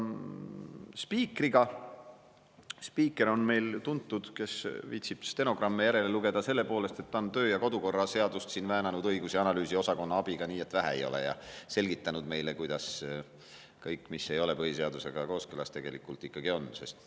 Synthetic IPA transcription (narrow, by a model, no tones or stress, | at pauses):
spiːkriɡ̥ɑ | spiːkːˑe̞ɾo̞nme̞jlt̪unt̪ːud̪̥ke̞svḭːt̪ʲsib̥st̪e̞no̞ɡ̥rɑmːejæɾe̞le̞luɡe̞d̪ɑse̞lːe̞po̞ːle̞st̪e̞t̪ːɑnt̪ø̞ːjɑko̞d̪uko̞rːɑse̞ɑd̪̥ust̪siːnvæːnɑnud̪ɤjɡ̥usiɑnɑlyːsio̞sɑko̞nːɑɑb̥iɡ̥ɑniːe̞t̪ːvæɦæ̰ejo̞̰lḛjɑ̰se̞lɡit̪ːˑɑnud̪me̞jle̞kujd̪̥ɑs | kɤjkːˑmisːe̞jo̞le̞pɤɦise̞ɑd̪use̞ɡ̥ɑko̞ːskylɑst̪e̞ɡ̥e̞likːˑult̪ikːˑɑɡ̥io̞nːse̞st̪